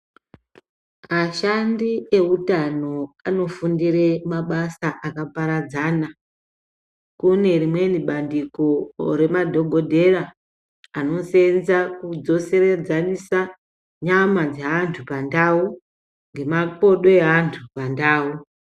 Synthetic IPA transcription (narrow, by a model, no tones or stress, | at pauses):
maʃandie̞utano̞ano̞fundire̞maɓasaʔakapaɾad͡zaːna | kune̞rimwe̞niɓandiko̞ɾe̞madʱo̞ɡʱo̞dʱe̞raː | no̞se̞nzakud͡zo̞se̞red͡zanisa | ɲamad͡zeɦantʰupandau | ŋɡe̞mapo̞ɗoeɦantʰupandaːu